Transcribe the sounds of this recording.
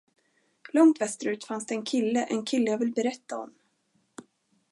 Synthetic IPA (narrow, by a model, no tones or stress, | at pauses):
lɔŋt̪vɛst̪əɾʉ̟ːt̪fansd̪ɛɛnkʰɪlːəʔɛnkʰɪlːəjaːvɪlbɛɾɛt̪ːaɔ̰m